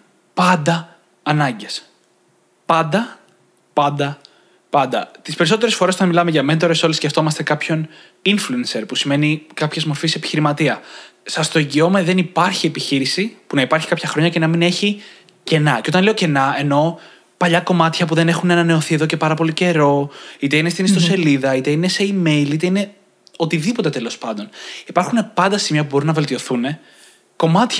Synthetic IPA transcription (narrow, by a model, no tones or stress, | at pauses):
pɐnd̪ɐː | nɐɲɟe̞s | pɐnd̪ɐ | pɐnd̪ɐ | pɐnd̪ɐ̰t̪ispe̞ɾiso̞t̪e̞ɾe̞sfo̞ɾesot̪ɐnmilɐmeʝɐment̪o̞ɾesolisceft̪o̞mɐst̪ekɐpço̞n | influense̞ɾpusime̞nikɐpçe̞zmo̞ɾfisepi̥çiɾimɐt̪iɐsɐst̪o̞eɲɟio̞meðe̞nipɐɾçie̞piçiɾisipunɐipɐɾçi̥kɐpçɐxɾo̞ɲɐce̞nɐmine̞çi | ce̞nɐceot̪ɐnle̞oce̞nɐe̞no̞ | pɐʎɐko̞mɐt̪çɐpuðe̞ne̞xuneɐnɐne̞o̞θie̞ðo̞ce̞pɐɾɐpo̞lice̞ɾo̞it̪e̞inest̪inist̪ose̞liðɐit̪e̞ineseime̞jlit̪e̞ine̞ | o̞t̪iðipo̞t̪e̞t̪e̞lo̞spɐnd̪o̞nipɐɾxune̞pɐnd̪ɐsimiɐpubo̞ɾinɐve̞lt̪io̞θune̞ | ko̞mɐt̪ç